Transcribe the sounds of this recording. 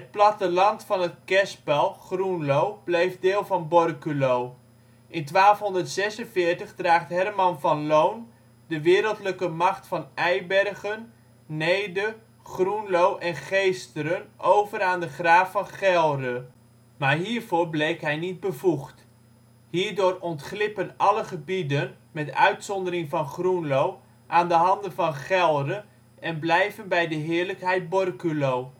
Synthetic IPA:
ɦət̚plɑtəlɑntfɑnɦət̚kɛspɛlˠχrunlowblejvdɪːlˠvɑnbɔrkylow | ʔɪntʋaːlˠfɦɔndəɹtsɛsənvɪːɹtəχdraːχtɦɛrmɑnvɑnlown | dəʋɪːɾəlˠtləkəmɑχtfɑnɛjbɛrχənː | ejdə | χrunlowʔɛnχejstəɾənʔowvəɾaːndəχraːfɑnχɛlˠdə | maːɹɦiːɹvoːɹblejkɦɛjnid̚bəvuχt | hiːɹdʊːrɔntχlɪpənɑləχəbidən | mɛtœ̰ɥtsɔndəɾɪŋvɑnχrunlow | ʔaːndəɦɑndənvɑnχɛlˠdə | ɛnblɛjvənbɛjdəɦɪːɹləkɦɛjt̚bɔrkylow

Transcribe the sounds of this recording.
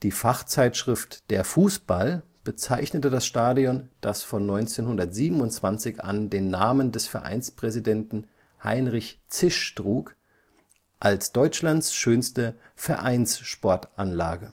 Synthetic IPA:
d̥iːfaχt͡saɪtʃʁ̥ɪftd̥eːɐfuːsb̥al | b̥ət͡saɪçnətəd̥asʃtaːdiɔnd̥asfɔnːɔʏnt͡seːnhʊndɐtz̥iːbm̩ʊntt͡sv̥ant͡sɪçʔa̰ndeːnːaːməndɛsfɛɐʔa̰ɪnspʁ̥ɛzidɛntn̩ | ha̰ɪnʁɪçt͡sɪʃtʁuːk | ʔalsd̥ɔʏt͡ʃlantsʃøːnstə | fɛɐʔaɪnsʃpɔɐtʔanla̰ːɡə

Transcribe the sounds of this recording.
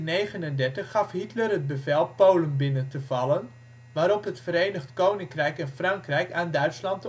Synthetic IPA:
nejχənəndɛɹtəχːɑfɦitlərɦəd̚bəvɛlˠpowlənbɪnəntəvɑlˠən | ʋaːɾɔpɦətfəɾejnəχtkownɪŋkrɛjkɛnfrɑŋkrɛjkaːndœɥtslɑnt

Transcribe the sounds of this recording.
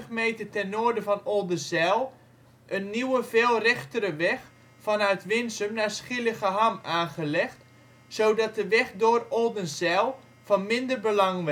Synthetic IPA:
əχmeːtətɛnːoərdəfɔnolˠdəsɛlˠ | ʔənːiwəveːlˠrɛxtəɾəʋɛx | fɔnœɥtʋɪnsəmnasχɪləɣəɦamaːχəlɛxt | soːdɔt̚dəʋɛxdʊərɔlˠdənsɛlˠ | v̥ɑnmɪndərbəlɑŋʋ

